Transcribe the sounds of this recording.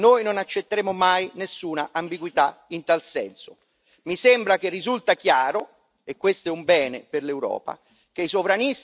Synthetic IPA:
noːjnonat͡ʃːet̪ːeɾemʊmajnesːuːnaʔambiɡwit̪aint̪alsɛ̰nso | misembɾak̟erːizult̪ak̟jaːɾʊ | ekːwest̪ɛumbɛːneperlewɾɔ̰ːpa̰ | k̟eisovɾanis

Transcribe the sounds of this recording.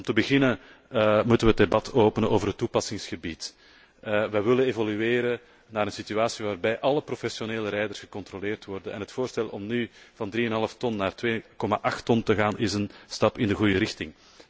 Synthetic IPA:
ɔmtəbəɣɪnə | mutənʋəədebɑtʰoːpənənʔoːvərɦətːupɑsɪŋsxəbit | ʋəʋɪlənevɔlyeːɾə | naːɾənsityaːsiʋaːrbɛjʔɑləprofɛsjoneːləɾɛjdərsɣəkɔnt̪rɔleːrtwɔrdənɛ̰nɦətfoːrstɛlˠɔmnyv̥ɑndriːənɦɑləftɔnːaːrtʋeːkɔmaʔɑxtːɔntəɣaːnʔɪzənstɑpɪndəɣujəɾɪxtɪŋ

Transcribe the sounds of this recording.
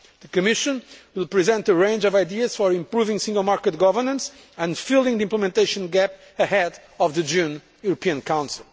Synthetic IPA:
ðɨkɨmɪʃɨ̃nwɪlˠpɹizɛ̃nt̪əɹẽɪ̃nd͡ʒɔvaɪd̪iɨz̥fɔɹĩmpɹuvɪ̃ŋsĩŋɡl̩ˠmaɹkət̪̚ɡɔvə˞nə̃ns | ɨ̃ndfilˠĩŋðiĩmpləmɛ̃nt̪eɪʃɨ̃nɡæp̚ | ɨhɛd | ɔvðɨd͡ʒũn | juɾopʰiɨ̃nkʰãw̃nsilˠ

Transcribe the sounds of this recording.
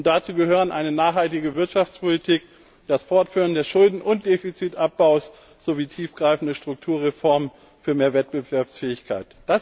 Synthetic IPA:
ʊnt̚d̥at͡suːɡəɦøːʁənʔaɪnənaːχhaltɪɡəvɪɐtʃaft͡spʰolitʰiːk | d̥asfɔɐtfyːʁ̞əndeːɐsʃʊldn̩ʔʊnt̚d̥eːfit͡sitʔap̚b̥aʊs | z̥oviːtʰiːfɡ̥ʁaɪfn̩dəʃtʁ̥ʊk̚tʰuːɐʁefɔɐmən | fyːɐmeːɐvɛt̚b̥əvɛɐpsfɛːɪçkʰaɪtd̥as

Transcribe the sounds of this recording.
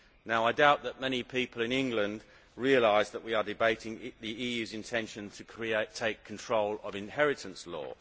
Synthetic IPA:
naʊaɪdaʊʔ̪̚ðəʔ̚mɛñipʰiˑpʰəlɪ̃nɪ̃ŋɡlə̃nd | ɹiəlaɪzðəʔwiədɪbeɪtɪ̃ŋðiiːjʉːzɪ̃ntʰɛ̃nʃə̃ntʰəkʰɹ̥ieɪtʰeɪkʰːn̩tʰɹ̥oʊləvɪ̃nhɛɹɪtʰə̃nslɔ̰ː

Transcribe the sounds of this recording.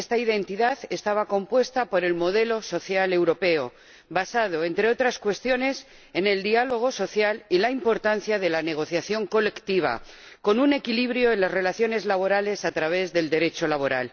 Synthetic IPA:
est̪aiðe̞nt̪iðaθe̞st̪aβako̞mpwe̞st̪apo̞ɾe̞lmo̞ðe̞lo̞so̞θjale̞wɾo̞pe̞o | βasað̞o̞e̞nt̪ɾe̞o̞t̪ɾaskwe̞st̪jo̞ne̞s | e̞ne̞ld̪ialo̞ɣ̞o̞so̞θjalilaimpo̞ɾt̪an̟θjaðe̞lane̞ɣ̞o̞θjaθjo̞ŋko̞le̞kt̪iβ̞a̰ | ko̞nune̞kiliβɾjo̞enlazre̞laθjo̞ne̞zlaβo̞ɾale̞sat̪ɾaβ̞e̞zðe̞ld̪e̞ɾe̞t͡ʃo̞laβ̞oɾa̰l

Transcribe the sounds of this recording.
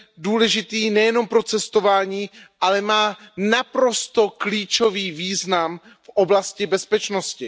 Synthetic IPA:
duːlɛʒɪt̪iːnɛjɛno̞mpɾo̞t͡sɛst̪o̞vaːɲiːʔalɛmaːnapɾo̞st̪okliːt͡ʃoviːviːznam | fʔoblascɪbɛspɛt͡ʃnoscɪ

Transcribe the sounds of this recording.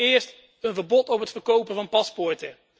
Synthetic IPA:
ɪːɹst | ənvəɹbɔtɔpɦətfəɹkowpəvɑnpɑspɔɹtə

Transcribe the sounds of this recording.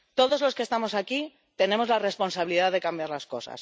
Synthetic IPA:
t̪o̞ðo̞zlo̞skest̪amo̞saki | t̪e̞nẽ̞mo̞zlare̞spo̞nsaβiliðaðe̞kambjaɾlasko̞sa̰s

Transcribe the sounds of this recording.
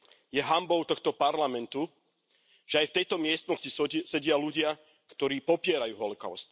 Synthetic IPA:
jɛɦambɔʊt̪ɔxt̪ɔpaɾlamɛnt̪u | ʒ̥ɛajft̪ɛjt̪ɔmɪɛst̪nɔscisɛɟɪaluɟɪa | kt̪ɔɾiːpɔpɪɛɾajuːɦɔlɔka̰ʊst̪

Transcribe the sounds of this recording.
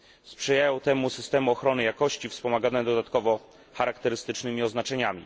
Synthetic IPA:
spʂɛjajawt̪ɛmusɘst̪ɛmuɔxɾɔnɘjakɔɕt͡ɕifspɔmaɡanɛd̪ɔd̪at̪kɔvɔ | xaɾakt̪ɛɾɘst̪ɘt͡ʂnɘmʲiɔznat͡ʂɛɲamʲḭ

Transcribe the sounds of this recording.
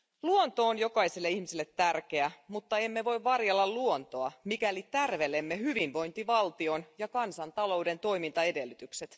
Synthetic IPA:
luont̪o̞ːnjo̞kɑiselːeihmisilːet̪ːærke̞æmut̪ːɑe̞mːe̞ʋo̞jʋʋɑrjelːɑlluont̪o̞ɑmikælit̪ærʋe̞lemːehyʋinʋo̞jnt̪iʋɑlt̪io̞njɑkɑnsɑnt̪ɑlo̞wde̞nt̪o̞jmint̪ɑe̞de̞lːyt̪ykset̪

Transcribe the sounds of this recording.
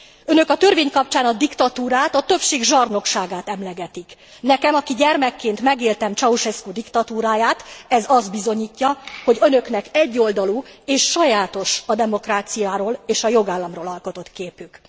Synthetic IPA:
ønø̞kɒt̪ørveːɲkɒp̚t͡ʃaːnɒd̪ikt̪ɒt̪uːɾaːt̪ɒt̪ø̞pʃeːɡʒɒrno̞kʃaːɡaːt̪ɛmlɛɡɛt̪ik | nɛkɛmɒkiɟɛrmɛkːeːnt̪mɛɡeːlt̪ɛmt͡ʃɒuʃɛskud̪ikt̪ɒt̪uːɾaːjaːt̪ɛzɒzd̪̚bizo̞ɲiːcːɒho̞ɟø̞nø̞knɛkɛɟːo̞ld̪ɒluːeːʃːɒjaːt̪o̞ʃɒd̪ɛmo̞kraːt̪sijaːɾoːleːʃɒjo̞ɡaːlːɒmroːlɒlko̞t̪o̞t̪keːpyk

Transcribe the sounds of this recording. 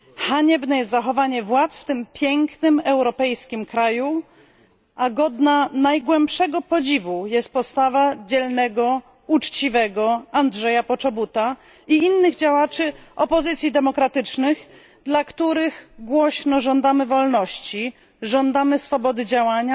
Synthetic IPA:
xaɲɛbnɛjɛst̪zaxɔvaɲɛvwat̪sft̪ɘmpʲjɛŋknɘmɛwɾɔpɛjskʲimkɾaju | ʔaɡɔd̪nanajɡwɛmpʂɛɡɔpɔd͡ʑivujɛst̪̚pɔt̪st̪avad͡ʑɛlnɛɡɔ | ut͡ʂt͡ɕivɛɡɔandʐɛjapɔt͡ʂɔbut̪a | iinːɘɣd͡ʑawat͡ʂɘɔpɔzɘt̪sʲjid̪ɛmɔkɾat̪ɘt͡ʂnɘx | d̪lakt̪uɾɘɣɡwɔɕnɔʐɔnd̪amɘvɔlnɔɕt͡ɕi | ʐɔnd̪amɘsfɔbɔd̪ɘd͡ʑawaɲa

